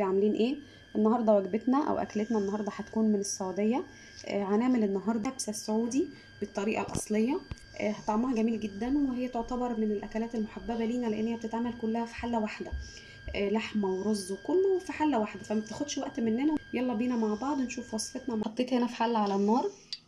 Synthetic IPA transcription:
bejʕameliːnʔeː | ʔenːɑhɑɾˤd̪ˤɑwæɡbet̪næʔæ̰wʔæ̰kælet̪næʔenːɑhɑɾˤd̪ˤɑħæt̪kuːnmenesˤːɑʕd̪ejːæ | ʔʕanæʕmelenːɑɦɑɾˤd̪ɑbsæsːoʕuːd̪i | b̥et̪ˤːɑɾiːʔɑ̰lʔɑ̰sˤlejːɑ | ʔhæt̪ɑʕmɑhɑɡæmiːlɡed̪ːænwehejːæt̪oʕt̪æbɑɾˤmenelʔækælæːt̪elmoħabːæbæliːnæleʔḛnːhejæb̚et̪et̪ʕaːmælkolːæhæfi̥ħalːæwaħd̪æ | laħmæweɾˤozˤːwekolːowefiħalːæwaħd̪æfæmæb̚t̪exod̪ʃwæʔt̪menːænæjɑlˤːɑbiːnæmaʕbɑʕd̪ˤnʃuːfwɑsˤfet̪nɑmæħɑt̪ˤːeːt̪henæfi̥ħalːʕalænːɑːɾˤ

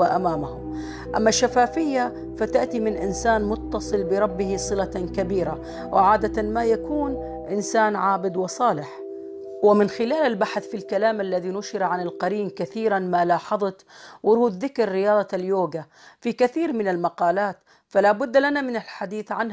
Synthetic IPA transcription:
aʔamaːmahʊm | ʔa̰mːaʃːafaːfɪjːa | fat̪aʔt̪imɪnʔɪnsaːnmʊt̪ːɑsˤɨlbɪɾˤɑbːɪhisˤɨlakabiːɾa | wʔɪ̰ʕaːd̪at̪anmajakuːn | ʔɪnsaːnʕaːbɪd̪wɪsˤɑːlɪħ | wɪmɪnxɪlaːlalbaħθfilkalaːmʔalːaðinʊʃɪɾʕanɪlqɑɾiːmkaθiːɾanmalɑːħɑðˤɑt̪wʊɾuːd̪ðɪkɾːɪjɑːd̪ˤɑljoːɡa | fikaθiːɾmɪnalmɑqɑːlaːt̪ | falaːbʊd̪ːlanamɪnalħad̪iːθʕanh

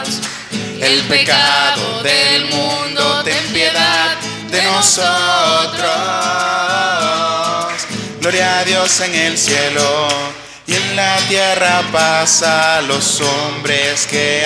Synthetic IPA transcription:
elpe̞kaðoðelmũnd̪oðempjeðað | d̪enosot̪ɾo | sɣlo̞ɾjaðjo̞se̞ŋelsje̞lo | ie̞nlat̪je̞rapasalo̞so̞mbɾe̞ske

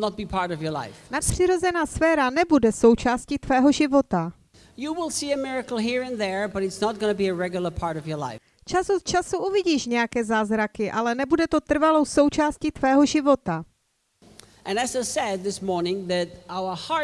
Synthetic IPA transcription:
nət̚b̥ipʰɑɹɾɔvjə˞la̰ɪfnatpr̝̥ɪɾo̞zɛnaːsfɛːɾanɛbudɛso̞wt͡ʃaːscit̪vɛːɦo̞ʒɪvo̞t̪a | juwɪlˠsiɨmɪɹəkl̩ˠɦiɹɨ̃nðə˞bʌɾɨtsnət̚ɡ̥ʌnəbiɨɹɛɡjl̩ˠə˞pʰɑɹɾɔvjə˞la̰ɪ | t͡ʃasot̪̚t͡ʃasuʔuvɪɟiːʃɲɛjakɛːzaːzɾakɪʔalɛnɛbudɛt̪o̞t̪r̩valo̞wso̞wt͡ʃaːscit̪vɛːɦo̞ʒɪvo̞t̪a | ʔɨ̃nɨzaɪsɛd̪̚ðɪsmɔɹnɪ̃ŋðɨɾʔaʊə˞hɑ

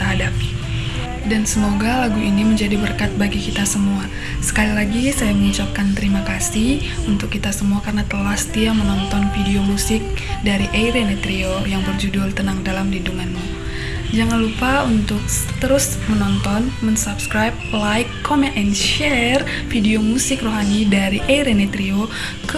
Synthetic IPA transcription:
t̪əɦadapi | dansəmoɡalaɡuʔiniməɲd͡ʒadibərkat̪̚baɡikit̪asəmua | sə̥kalilaɡisajaməuɲt͡ʃap̚kant̪əɾimakasih | unt̪ʊkːit̪asəmuakarnat̪əlahsə̥t̪iamənɔnt̪ɔnfideomusɪk̚daɾiʔejɾenet̪ɾiojaŋbərd͡ʒudʊlt̪ənaŋdalamdiduŋanmu | d͡ʒaŋanlupaunt̪ʊk̚t̪əɾʊs | mənɔnt̪ɔnmənsapskɾajp̚lajkːɔmɛ̃nɛnʃɛr | fideomusɪkroɦanidaɾiʔeɾenet̪ɾio | kə

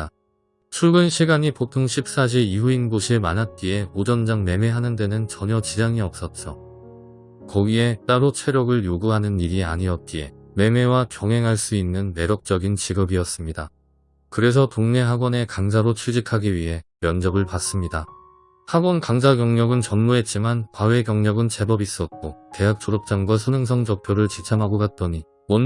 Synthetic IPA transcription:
t͡ɕʰuɭɡɯnɕʰiɡaɲipok̚tʰoŋɕʰip̚s͈ad͡ʑ̬ʰiiuinbuɕʰiema̰nɦat̚k͈ie̞od͡ʑʌnd͡ʑaŋme̞me̞ɦanɯnde̞nɯnt͡ɕʌɲʌt͡ɕid͡ʑaŋiʌp̚s͈ʌt̚t͡ɕ͈ʌ | kʌɡie̞t͈aɾot͡ɕʰe̞ɾjʌɡɯɭjoɡuɦanɯniɾia̰ɲiʌt̚k͈ie̞̰me̞me̞wakjʌŋɦe̞ŋɦaɭs͈uinːɯnme̞ɾʌk̚t͡ɕ͈ʌɡint͡ɕiɡɯbiʌs͈ɯmɲida | kɯɾe̞s̬ʰʌtoŋne̞ɦaɡwʌne̞kaŋd͡ʑaɾot͡ɕʰud͡ʑikʰaɡiɥiɦe̞mjʌnd͡ʑʌbɯɭpas͈ɯmɲida | haɡwʌnkaŋd͡ʑaɡjʌŋɲʌɡɯnt͡ɕʌnmuɦe̞t̚t͡ɕ͈imanpawe̞ɡjʌŋɲʌɡɯnt͡ɕʰe̞bʌbis͈ʌt̚k͈ote̞ɦak̚t͡ɕ͈ʰoɾʌp̚t͡ɕ͈aŋɡwasʰɯnɯŋs̬ʰʌŋd͡ʑʌk̚pʰjoɾɯɭt͡ɕit͡ɕʰamɦaɡoɡat̚t͈ʌɲi | mʌn

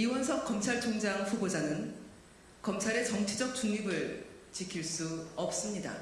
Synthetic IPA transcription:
iwʌnsʰʌkk͈ʌmt͡ɕʰaɭt͡ɕʰoŋd͡ʑaŋɸubod͡ʑanɯn | kʌmt͡ɕʰaɾe̞t͡ɕʌŋt͡ɕʰid͡ʑʌk̚t͡ɕ͈uŋɲibɯɭ | t͡ɕikʰiɭs͈uʌp̚s͈ɯmɲida̰

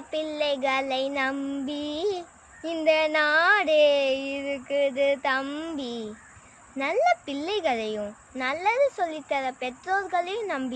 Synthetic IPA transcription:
pɪlːɐɪɣɐlɐɪnɐmbi | ɪnd̪ɐnaːɽeɪɾɯkːɯðɯt̪ɐmbi | nɐlːɐpɪlːɐɪɣɐlɐjʊ̃ | nɐlːɐðɯsɔlːɪt̪ːɐðɐpɛʈɾoːlɡɐlɐjʊ̃nɐmbɪ

